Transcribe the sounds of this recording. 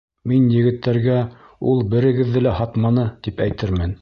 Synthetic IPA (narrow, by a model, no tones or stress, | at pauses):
minjɘ̆ɡɘ̆t̪ʰːæɾɡæ | ulˠbɘ̆ɾɘ̆ɡɘ̆ðːɘlæhɑt̪mɑnɤt̪ipæjt̪ɘɾmɘn